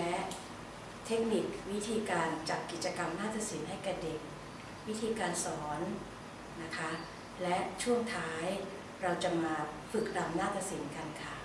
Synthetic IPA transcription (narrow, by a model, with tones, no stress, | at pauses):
lɛ˦˥ʔ | t̪ʰe˦˥k̚ni˨˩k̚wi˦˥t̪ʰiː˧kaː˧nt͡ɕa˨˩p̚kːi˨˩t̪̚t͡ɕa˧ka˧mnaː˥˩t̪ʰa˧si˩˦nɦa˥˩jkɛː˨˩de˨˩k̚ | wi˦˥t̪ʰiː˧kaː˧nsɔː˩˦n | na˦˥kʰa˦˥ | lɛ˦˥ʔt͡ɕʰu˥˩əŋt̪ʰaː˦˥j | ɾa˧wt͡ɕa˨˩maː˧ | fɯ˨˩k̚da˧mnaː˥˩t̪ʰa˧si˩˦nka˧nkʰa˥˩